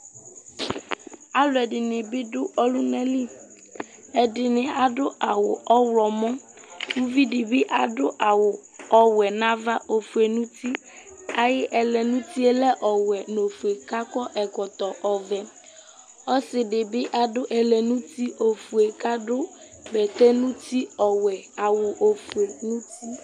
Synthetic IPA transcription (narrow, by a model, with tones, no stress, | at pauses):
a˦lʊ˨ɛ˨ɖɪ˨nɪ̃˨bɪ˦ɖʊ˦ʔɔ˦lʊ˦nɛ̃˦li˦ | ɛ˨dɪ˨nɪ̃˨a˨ɖʊ˦ʔa˨wʊ̰˨ɔ˦wlɔ˨mɔ̃˦ | wu˦vi˦ɖɪ˨bɪ˦ʔa˨ɖʊ˦ʔa˨wʊ˨ɔ˦wɛ˨nã˦va˦ʔo˨fu˨e˨nũ˦t̪i˦ | a˨jɪ˦ʔɛ˨lɛ˨nũ˦t̪i˦e˦lɛ˦ʔɔ˨wɛ˨no˨fu˨e˨ka˦kɔ˦ʔɛ˨kɔ˨t̪ɔ˨ʔɔ˨vɛ˨ | ɔ˦sɪ˨ɖɪ˨bɪ˦ʔa˨ɖʊ˦ʔɛ˨lɛ˨nũ˦t̪i˦ʔo˨fu˨e˨ka˦ɖʊ˦ | bɛ˨t̪ɛ˦nũ˦t̪i˦ɔ˨wɛ˨a˨wʊ˨ʔo˨fu˨e˨ŋũ˦ku˦